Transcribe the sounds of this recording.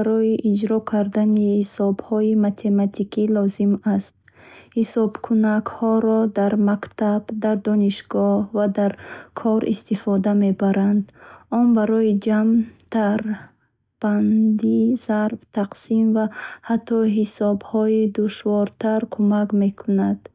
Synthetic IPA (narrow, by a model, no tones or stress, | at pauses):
aɾɔiʔid͡ʒɾɔkʰaɾd̪anihisɔbhɔimat̪ʰe̞mat̪ʰikʰilɔzimast̪ | hisɔbkʰunakhɔɾɔd̪aɾmakt̪ʰabd̪aɾd̪ɔniʃɡɔhvad̪aɾkʰɔɾʔḭst̪ifɔd̪ame̞baɾand̪ɔnbaɾɔid͡ʒamt̪ʰaɾ | b̥and̪iz̥aɾbt̪ʰaqsimvahat̪ʰːɔɦisɔbhɔid̪uʃvɔɾt̪ʰaɾkʰumakme̞kʰunad̪̥